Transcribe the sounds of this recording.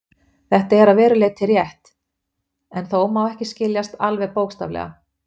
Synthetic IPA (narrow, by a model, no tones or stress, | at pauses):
θɛht̪aɛɾaðvɛːɾʏleːt̪ʰɪrjɛht̪ | ɛnθowmawɛhcɪscɪljast̪alvɛðpoːwkst̪a̰vlɛ̰ɣa̰